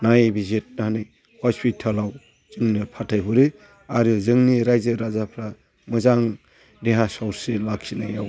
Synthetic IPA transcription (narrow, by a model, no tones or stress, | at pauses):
najbizet̚naɦanɯj | hɔspitʰalaw | z̥ɯŋnipʰatʰajbuɾe | aɾɯzɯŋniɾajzɯɾazapʰɾa | mɯzaŋ | deɦãsawɾselaksinaja̰w